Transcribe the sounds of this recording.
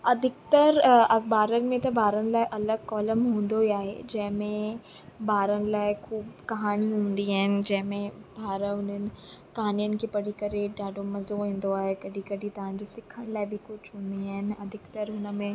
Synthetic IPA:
ɐd̪ʱɪk̚t̪əɾɐbaːɾənɪ̆mẽt̪ɐbʱaːɾənɪ̆laːɪʔɐləɡ̚kɔːləmɦũːn̆d̪oiaːɦḛd͡ʑɐ̃ɦɪ̃mẽ | bʱaːɾənɪ̆laːɪxʰuːbkɐɦaːɽ̃iɦũːn̆d̪iaːɦɪnɪ̆d͡ʑɐ̃ɦɪ̃mẽbʱaːɾəʊn̤ənɪ̆kɐɦaːnijənɪ̆kʰeːpɐɽikɐɾeɖaːɖʱomɐzoɦĩːn̆d̪oaːɦekɐɖʱikɐɽit̪ɐʋ̤ãːɲ̆d͡ʑesɪkʰəɽ̃laːɪbɪkʊt͡ʃɦũːn̆d̪iaːɦɪnɪ̆ɐd̪ʱɪkt̪əɾɦʊnəmẽ

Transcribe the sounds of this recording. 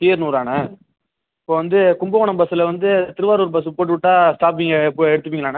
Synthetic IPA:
tiːɐɾnuːɾaːnɐ | ɪpːoːʋɐnd̪ɯkʊmbɐʋɔɳɐmbɐsɯlɐʋɐnd̪ɯt̪ɪɾɯʋaːɾuːɾbɐs̬ɯpoːʈːɯʋɪʈːaːsʈaːp̬ːɪŋɡɐpːoɛɽɯt̪ːɯpːiŋɐlaːnɐ

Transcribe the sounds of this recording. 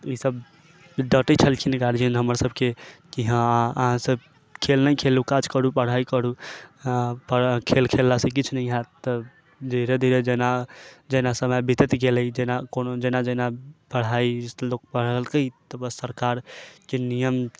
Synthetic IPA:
isəb | ɖəʈit͡ʃʰəlkʰinɡaɾd͡ʒinɦəməɾsəbkekiɦãaə̰ɦãsəb | kʰelnəjkʰelukat͡ʃkəɾupəɽ̤aikəɾu | pəkʰelkʰelːasẽkit͡ʃʰnəiɦat̪t̪ːə | d̪ʱiɾed̪ʱiɾed͡ʒenad͡ʒenasəməjbit̪ət̪ɡelɛjd͡ʒenakonod͡ʒenad͡ʒenapəɽ̤ailok̚pəɽ̤əlkəjt̪əbəsəɾkaɾkenijəm

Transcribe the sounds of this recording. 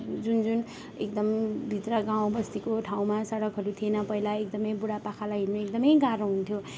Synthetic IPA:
d͡zund͡zun | ḛk̚d̪ʌmbʱit̪rʌɡãw̃bʌst̪ikoʈʰaw̃masʌɽʌkɦʌɾut̪ʰienʌpʌilaekd̪ʌmʌjbuɽapakʰalaɦinmeek̚d̪ʌmʌjɡaɾoɦunt̪ʰjo

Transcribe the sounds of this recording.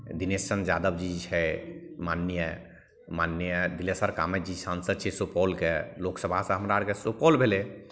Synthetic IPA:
d̪inessənd͡ʒaːd̪əbd͡ʒid͡ʒt͡ʃʰɛmanːjə | manːjjəd̪ilesəɾkaːmɛd͡ʒid͡ʒsansəd̪̚t͡ʃʰɛsopɔlkeloksəbʱasə̃ɦəmɾaaɽkesopɔlbʱele

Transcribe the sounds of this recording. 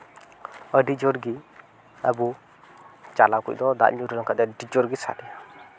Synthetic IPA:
əɖid͡ʒɔɾɡi | abu | t͡ʃalakṵʔ̚d̪ɔd̪a̰ʔɲuɾəlɔŋkad̪ɛɖid͡ʒɔɾɡisa̰d̪ɛja

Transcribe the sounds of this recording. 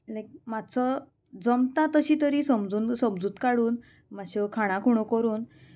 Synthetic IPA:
lajk̚mat͡sɔ | d͡zəmt̪ãt̪əɕit̪əɾisəmd͡zuːnsəmd͡zuːt̪kaɽuːn | maɕekʰaɽ̃ãkʰuɽ̃ɔkəɾuːn

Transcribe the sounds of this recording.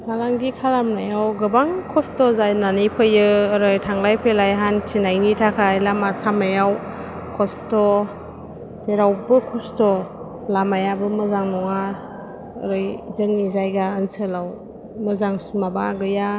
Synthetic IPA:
kʰalaŋɡikʰalamnajawɡɯbaŋkʰɔstɔzajnanijpʰɯjɯːɾɯjtʰaŋlajpʰelajɦant͡ʃʰinajnitʰakʰajlamasamajaw | kʰɔstɔ | seɾawbɯkʰɔstɔ | lamajabɯmɯzaŋnɔŋa | əɾɯjzeŋnizajɡaənsɯlaw | mɯzaŋsumabaɡɯja

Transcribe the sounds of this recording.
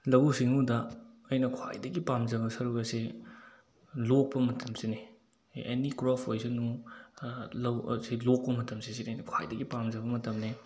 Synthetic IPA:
lɐwusiŋudɐːɐjnɐkʰwa̰jdɐɡipamzɐɡɐsɐɾukɐse | lok̚pɐmɐtʰɐmsine | ḛnikɾɔpʰojzɐnu | lɐwselok̚pɐmɐtɐmsisinɐjnɐkʰwa̰jdɐɡipamzɐbɐmɐtɐmne

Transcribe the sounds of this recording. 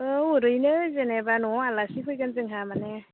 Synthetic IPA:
ɯuɾɯjnɯzenebanɔalasipʰɯjɡanzɯŋɦamane

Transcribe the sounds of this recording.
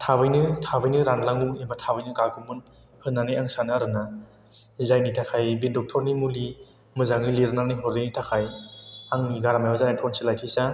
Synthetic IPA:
tʰabɯjnɯtʰabɯjnɯɾanlaŋuembatʰabɯjnɯkaɡʰɯmɯn | hɯnːanɯjaŋsanɯaɾɯna | zajnitʰakʰajbidɔk̚tʰɔɾnimuli | mɯzaŋniliɾnanijɦɔɾdinitʰakʰajaŋniɡaɾamajwazanatʰɔnsilajkʰisa

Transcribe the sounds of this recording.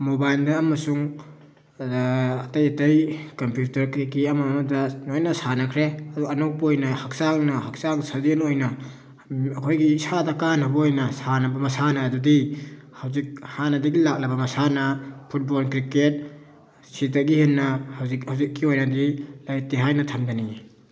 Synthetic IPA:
mobajldɐːmɐsuŋ | ɐtɐjɐtɐjkɐmpjutɐɾkikiɐmamɐdɐnojnɐsanɐkʰɾeɐduɐnow̚pojnɐhak̚saŋnɐhak̚saŋsazenojnɐ | ɐkʰojɡisadɐkanɐbɐojnɐsanɐbɐmɐsanɐːdudi | hawzik̚hanɐdɐɡilak̚lɐbɐmɐsanɐpʰut̚bolkɾiket̚ | sitɐɡihenːɐhzihawzikːiojnɐdilajtiɦajnɐtʰɐmdɐni

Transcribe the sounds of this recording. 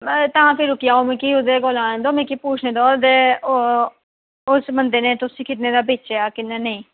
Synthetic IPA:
t̪ãːpʰɪɾʊkɪjaːomẽːkiːʊd̪eːɡoːlãːẽːd̪oːmẽːkiːpuːt͡ʃʰneːd̪ɔːd̪eː | ʊsmənd̪eːnẽːt̪ʊsĩːkɪt̪nẽːd̪aːbeːt͡ʃeːaːkɪnːẽːnəĩː

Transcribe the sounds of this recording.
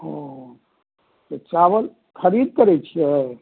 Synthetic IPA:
ɦõ | t̪ot͡ʃaʋəl | kʰəɾid̪̚kəɾɛt͡ʃʰiɛ

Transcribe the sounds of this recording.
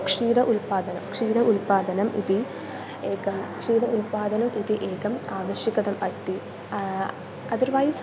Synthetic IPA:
kʂiːɾɐʔulpaːd̪ɐnɐmkʂiːɾɐʔulpaːd̪ɐnɐmʔḭði | eːkɐmkʂiːɾɐʔulpaːd̪ɐnɐmʔiðiʔeːkɐmaːʋɐɕjikʲːɐɽɐmɐst̪i | ɐðuɾʋaːjis

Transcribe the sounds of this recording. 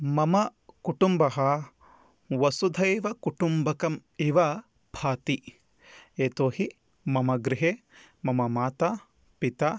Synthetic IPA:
mɐmɐkuʈumbɐɦɐ | ʋɐsud̪ʱɐjʋɐkuʈumbɐkɐmiʋɐ | bʱaːt̪i | eːt̪oːhi | mɐmɐɡɾɪɦe | mɐmɐmaːt̪aː | pit̪a

